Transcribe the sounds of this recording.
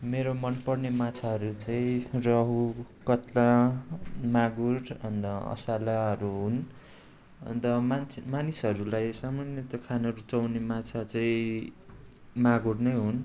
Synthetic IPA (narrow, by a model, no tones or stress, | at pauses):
meɾomʌnpʌrnemat͡sʰaɦʌɾut͡saĩrʌɦukʌt̪la | maɡuɾʌnd̪ʌʌ̰salaɦʌɾuɦun | ʌ̰nd̪ʌmanmanisɦʌɾulajsamanjʌt̪ʌkʰanʌɾut͡sʌwnemat͡sʰat͡saĩ | maɡurnʌjɦun